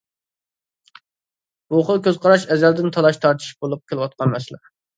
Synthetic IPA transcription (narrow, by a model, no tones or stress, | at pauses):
b̥uχəlˠkʲøzqʰɑɾɑʃɛzɛld̪ɪnt̪ʰɑlˠɑʃt̪ʰɑɾt̪ʰi̥ʃbolˠup̚kʲʰelˠɨwɑt̪̚qʰɑnmɛslɪ̰